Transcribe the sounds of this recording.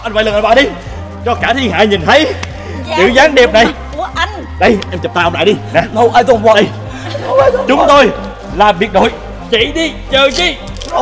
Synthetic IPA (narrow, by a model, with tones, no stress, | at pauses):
ʔa˧nva̰˧˨jlə˨˩ʔa˧˩ɓa̰ː˧˩ɗi˧ | t͡ɕɔ˧kaː˧˩t̪ʰi˧ŋɦa̰ː˧˥ɲi˨˩nt̪ʰə˨˦j | zɨ̰˧˩˥zaː˨˦ŋɗi˨˩əp̚na˨˩jʔa˧n | ɗə˧jʔɛ˧mt͡ɕə˨˩p̚t̪aː˧ʔə˧ŋ͡mla̰ː˧˨ɗi˧na˨˦ə˧wʔaː˧jt̪ːwə˧j | t͡ɕʊ˨˦ŋ͡mt̪o˧j | laː˨˩mɓi˨˩ək̚o̰˧˨j | t͡ɕḭ˧˩˨ɗi˧t͡ɕəː˨˩zi˧˩